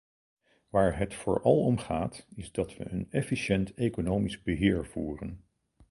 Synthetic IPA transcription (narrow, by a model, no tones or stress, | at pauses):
ʋaːɹɦətfʊ̰ːɹʔɑ̰lˠɔmχaːtɪzdɑtʋə̰ʔənɛfiʃɛntekonowmizbəɦɪːɹv̥uːrən